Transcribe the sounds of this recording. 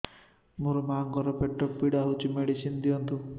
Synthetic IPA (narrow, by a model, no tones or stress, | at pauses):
muɾumaːŋɡɔɾɔpeʈːɔpːiɽaɦut͡ʃimeɽisind̪iɔnt̪u